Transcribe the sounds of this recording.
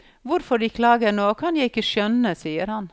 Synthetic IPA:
ʋʊɾfɔɖiːkʰlɑːɡənoːkʰɑnjæɪɪkəʃœnəsiːəɾhɑn

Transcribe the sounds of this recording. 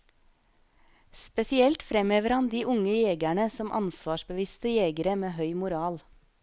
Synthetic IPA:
spɛsɪɛlt̪fɾɛmøːʋəɾhɑnd̪iːʔʊŋəjeːɡæɳəsɔmʔɑ̰nsʋɑːʃbəʋɪst̪əjeːɡəɾəmeːɦœʏmʊɾɑːl

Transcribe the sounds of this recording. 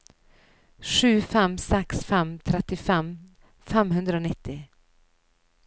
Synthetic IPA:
ɧʉ̟ːfɛmsɛksfɛmt̪ʰɾɛt̪ːɪfɛm | fɛmhɵnd̪ɾaʊnɪt̪ːɪ

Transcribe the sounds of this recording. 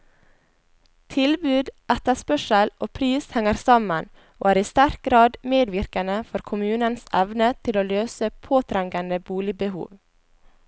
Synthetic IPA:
t̪ʰɪlbʉːd̪ʔɛt̪ɑspœʃəlʔoːpʰɾiːshɛŋəɾsɑmən | ʔo̰ːæːɾiːst̪æɾk̚ɡɾɑːd̪meːd̪ʋɪɾkənəfɔɾkʰʊmʉːnənsɛʋnət̪ʰɪloːløːsəpʰoːt̪ʰɾæŋɡənəbuːlɪbəhṵːʋ

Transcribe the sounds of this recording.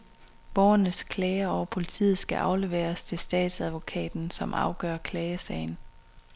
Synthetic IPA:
b̥ɒʊɐnəskʰlɛːɪɐɒʊɐpʰo̝lit͡sʰḭːð̩ˠsɡ̥æʔɑ̈ʊle̝ʋḛːɐst͡sʰe̝lsd̥ɛ̰ːd̥sæðˠʋo̝kʰɛ̰ːd̥n̩sɒ̽mʔɑ̈ʊɡ̥ɶ̰ɐkʰlɛːəsɛ̰ɪn̩

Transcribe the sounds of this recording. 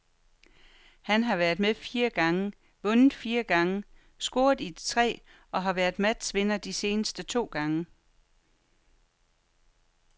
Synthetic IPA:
hænɦɑ̈ʋæɐðˠmeðˠfiːɐɡ̥ɑ̈ŋə | ʋɔ̽nð̩ˠfiːɐɡ̥ɑ̈ŋə | sɡ̥o̝ːɐðˠid̥t͡sʰʁɛ̰ː | ɒ̽ɦɑ̈ʋæɐðˠmæd̥sʋe̝nɐd̥ise̝ːnəsd̥ət͡sʰo̝̰ːɡ̥ɑ̈ŋə

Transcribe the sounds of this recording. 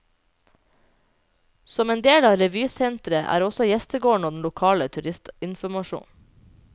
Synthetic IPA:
sɔmeːnd̪eːlɑːɾɛʋyːsɛnt̪ɾəʔæ̰ːɾɔsɔjɛst̪əɡoːɳ̩oːd̪n̩lʊkʰɑːlət̪ʰʉɾɪst̪ɪnfɔmɑʃṵːn

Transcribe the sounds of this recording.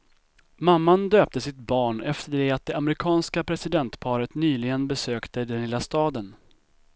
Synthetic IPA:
mamːand̪øːp̚t̪əsɪt̪̚bɑːɳɛft̪əɖɛat̪̚d̪ɛamɾɪkʰɑːnskapʰɾɛsɪd̪ɛnt̪pʰɑːɾət̪nyːlɪɡənbɛsøːkt̪əd̪ɛnlɪlːast̪ɑːd̪ən

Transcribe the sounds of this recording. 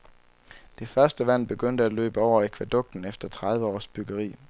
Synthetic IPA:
d̥e̝fɶɐsd̥əʋæn̰b̥e̝ɡ̥øn̰d̥əælø̰ːb̥əɒʊ̰ɐekʰʋæd̥ɔ̽ɡ̥̚d̥n̩efd̥ɐt͡sʰʁɑ̈ðˠʋəɒ̰ːsb̥yɡ̥əʁḭː

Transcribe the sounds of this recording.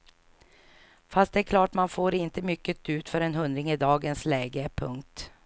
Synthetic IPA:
fast̪̚d̪ɛæɾkʰlɑːʈmanfoːɾɪnt̪əmʏkːət̪ʉ̟ːt̪fœɾɛnɦɵnd̪ɾɪŋɪd̪ɑːɡənslɛːɡəpʰɵ̰ŋk̚t̪

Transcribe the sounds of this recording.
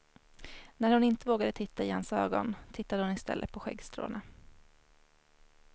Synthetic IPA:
næɾhʊnɪnt̪əvoːɡad̪ət̪ʰɪt̪ːaɪhansø̰ːɡɔ̰nt̪ʰɪt̪ːad̪əhʊnɪst̪ɛ̰lːʔə̰t̪̚pʰɔɧɛ̰ɡst̪ɾo̰ːna

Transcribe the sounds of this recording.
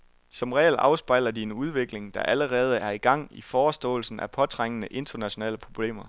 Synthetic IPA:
sɒ̽mʁɛ̰ːlɑ̈ʊsb̥ɑ̈ɪ̰lɐdie̝nuð̞ˠʋe̝ɡ̥le̝ŋd̥ɑ̈ʔæləʁɛːð̞ˠəæɐiɡ̥ɑ̈ŋ̰ifɒːsd̥ɔ̰̽ːl̩sn̩æpʰɒ̽t͡sʰʁaŋ̰ənəʔe̝nd̥ɐnæɕo̝nɛ̰ːləpʰʁo̝b̥le̝̰ːmɐ

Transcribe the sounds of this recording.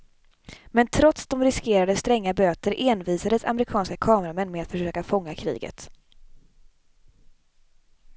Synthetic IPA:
mɛnt̪ʰɾɔt̪sd̪ɔmɾɪskeːɾad̪əst̪ɾɛŋːabøːt̪əɾʔeːnviːsad̪əsa̰mɛɾɪkʰɑːnskakʰɑːmɾamɛnːmɛat̪fœʂøːkafɔŋːakʰɾḭːɡə̰t̪

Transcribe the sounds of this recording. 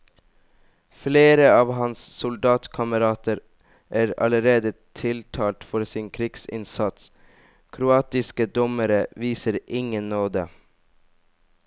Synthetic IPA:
fleːɾəɑːʋhɑnssʊld̪ɑːt̪kʰɑməɾɑːt̪əɾ | ʔæːɾɑ̰ləɾeːd̪ət̪ʰɪlt̪ʰɑːlt̪fɔɾsɪnkʰɾiɡsɪ̰nsɑt̪s | kʰɾʊɑːt̪ɪskəd̪ɔməɾəʋiːsəɾɪŋənnoːd̪ə

